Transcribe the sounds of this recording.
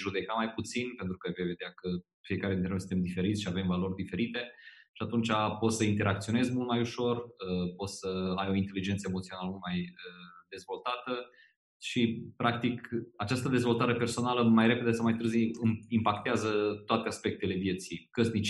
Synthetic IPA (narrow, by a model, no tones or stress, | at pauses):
ʒud̪e̞kamajput̪sinpent̪ɾukəvejve̞d̪eakə | fije̞kaɾed̪inɾeojsɨnt̪emd̪ife̞ɾit̪sʲʃiave̞mvalo̞rʲd̪ife̞ɾit̪e̞ʃiat̪unt͡ʃʲapo̞t̪səint̪e̞ɾak̚t̪sio̞e̞zmult̪̚majuʃo̞rəpot̪səajo̞int̪e̞lid͡ʒent̪səemot̪sioaləmult̪̚majəd̪e̞zvo̞lt̪at̪ə | ʃipɾʔak̚t̪ikat͡ʃast̪əd̪e̞zvo̞lt̪aɾe̞pe̞rso̞naləmajɾe̞pe̞d̪esawmajt̪ɨrzijɨimpakt̪eazət̪oat̪e̞aspe̞k̚t̪e̞le̞vje̞t̪sijkəsnit͡ʃ